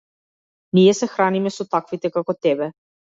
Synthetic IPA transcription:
nijɛsɛxɾanimɛsɔt̪akvit̪ɛkakɔt̪ɛbɛ

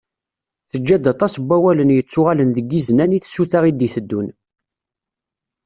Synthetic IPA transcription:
θəd͡ʒːæd̪ɑt̪ˤɑsbʷːæwælənjət͡sːʊʁalənðəɡːiznæniθsuθaʁid̪iθəd̪ːun

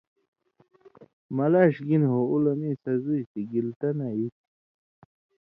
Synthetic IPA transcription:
mɐlaːɕɡinɦoulɐmiːsɐzujt̪iɡilt̪ɐnajit̪̚

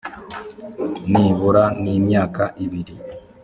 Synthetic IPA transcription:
niːβuɾaniːmɲaːkaʔiβiɾi

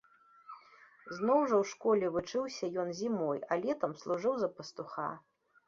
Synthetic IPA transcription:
znɔwʐɐwʂkɔlʲɛvɨt͡ʂɨwsʲɐjɔnzʲimɔjɐlʲɛt̪ɐmslˠuʐɨwzɐpɐst̪uxa̰

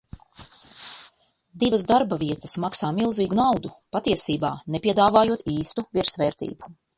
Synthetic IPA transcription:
d̪ivɐzd̪aɾbavʲiɛt̪ɐsmaksaːmilˠziːɡunawd̪upat̪iɛsiːba̰ːnɛpʲiɛd̪aːvaːjuɔt̪iːst̪uviɾsvɛːɾt̪ḭːbu̥

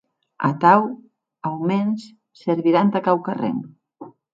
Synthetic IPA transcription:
a̰t̪aw | awmens | seɾβiɾant̪akawkarḛn

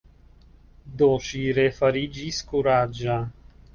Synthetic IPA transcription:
d̪oʃiɾefəɾid͡ʒiskuɾad͡ʒa

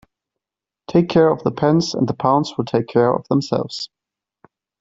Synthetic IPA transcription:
tʰeɪkʰɛːɹəvðəpʰɛ̃nzə̰̃nðəpʰãʊ̃nzwɪlˠtʰeɪkʰɛːɹə̰vðə̃msɛ̰lˠvz̥

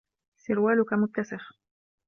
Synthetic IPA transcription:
sɪɾwæːlʊkæmʊt̪̚ːasɪx

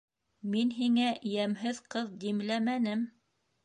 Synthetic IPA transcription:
minɦiŋæʔjæmɦɘðqɤðd̪imlæmænɘm

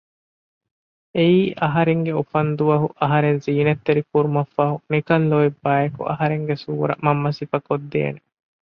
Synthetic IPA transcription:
eiːʔɐɦɐɾeŋɡeufɐnd̪uʋɐɦuʔɐɦɐɾenziːnet̪ːeɾikuɾumɐfːɐɦunikɐnloibːaːjɐkṵʔɐɦɐɾeŋɡesuːɾɐ̰mɐmːɐsifɐkod̪ːḛːne

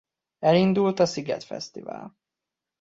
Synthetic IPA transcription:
ɛɾind̪ult̪asɪɡa̰t̪fɛ̰st̪ɪva̰l

